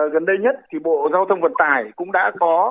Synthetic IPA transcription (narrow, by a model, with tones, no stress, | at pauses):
ɣə˨˩nɗə˧jɲə˦˥t̚t̪ʰi˨˩ɓo̰˧˨zaː˧wt̪ʰə˧wŋ͡mvə˨˩t̚t̪aː˨˩jkʊ̰˧˥ŋ͡mɗa̰ː˧˥kɔ˨˦